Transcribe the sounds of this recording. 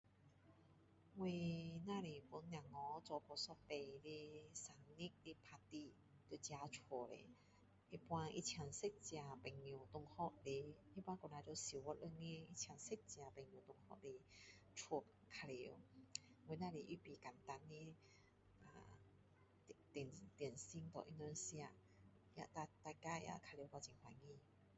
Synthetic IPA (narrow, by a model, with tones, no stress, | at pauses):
we˧nã˧ɾe˨pu˧˦nnã˨˩ŋɔ˨˦t͡sɔ˧˩pɔ˨˩sɔ˧˦pe˨˩le˦sa˨˩ŋni˦k̚le˧pʰa˧t̪i˧ | t̪e˧˨t͡ɕja˧t͡sʰwo˨˩ɾḛ˨ | e˧pw̃ã˧ʔḭ˦˧t͡ɕʰja˨˧ŋse˦t̚t͡ɕja˨˩pɛ˨ŋːju˨˩t̪ʊ˧˩ŋhɔ˦t̚le˧˩i˦pwã˦kɔ˨na˧ɾo˧si˨wɔ˧˦ʔə˧ŋe˧˦i˧˥t͡ɕʰja˨˩ŋse˦˥t̚t͡ɕja˧pɛ˨ŋːjũ˨˩t̪ʊ˧ŋhɔ̰˧˥ʔle˧ | t͡ʃʰwo˨˩˨kʰa˧li˧˨we˧˦nã˧li˧˨ʔi˦pi˨ka˨˩nt̪a˧ne˧˦ | a̰˨ | t̪nt̪jnsi˧˥ŋt̪ɔ̰˨ʔi˧nd̪ɔ˧nsja˧ | ja̰˧t̪a˧t̪a˧ka˧˦ja̰˧ʔkʰa˧li˧˨ka˧t͡ɕi˧˨ŋhwa˧˨ŋĩ˧˨